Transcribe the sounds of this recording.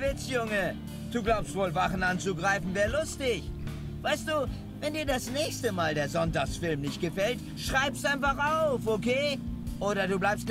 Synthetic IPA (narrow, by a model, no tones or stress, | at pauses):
vɪt͡sjʊŋə | d̥uːɡlaʊpstv̥oːlvaχn̩ant͡suɡʁaɪfn̩vɛːɐlʊstɪç | v̥aɪst̚d̥uː | vɛndiːɐdasnɛːçstəmaːldeːɐzɔntaksfɪlmnɪçt̚ɡ̥əfɛlt | ʃʁ̥aɪpstʔaɪnfaχʔaʊfokʰeːʔoːɾɐduːblaɪpst̚